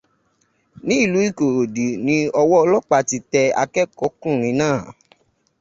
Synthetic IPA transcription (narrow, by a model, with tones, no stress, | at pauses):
nĩ˦i˦˨lu˨˦i˦˨ko˨ɾo˨di˨nĩ˧ɔ˧wɔ˦ɔ˧lɔ˦k͡pa˧ti˧˦tɛ˧a̰˧kɛ˦kɔ˨˦kũ˦˨ɾ̃ĩ˧nãː˦˨